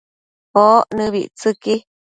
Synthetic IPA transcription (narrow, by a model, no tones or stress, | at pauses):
oːʔnɨ̃βiʔt͡sɨki